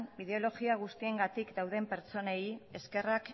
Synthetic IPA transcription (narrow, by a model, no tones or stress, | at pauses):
niðeo̞lo̞ɣiaɣ̞ust̪ie̞ŋɡat̪ikd̪awð̞e̞mpe̞ɾt͡so̞neje̞ske̞rak